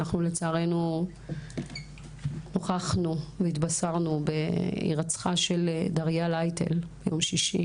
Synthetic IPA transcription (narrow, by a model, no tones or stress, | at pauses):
naχnule̞t͡saːʁe̞nu | noχaχnuveit̪basaʁnubeḭʁat͡sχaʃe̞ldaʁjalajtʰḛlb̥ejo̞mʃiʃḭ